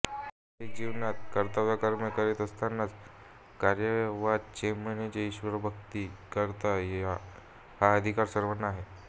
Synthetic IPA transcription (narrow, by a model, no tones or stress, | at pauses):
ted͡ʑiʋnat̪̚kəɾt̪əʋjakəɾməkəɾit̪əst̪anːat͡s | kaɾjəʋad̪t͡ɕemənet͡ɕeiɕʋəɾbʱəkt̪iːkəɾt̪aja | haəd̪ʱikaɾsəɾʋənːaaɦe